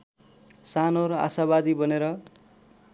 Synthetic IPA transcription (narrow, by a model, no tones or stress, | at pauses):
sanoɾʌa̰sabad̪ibʌneɾʌ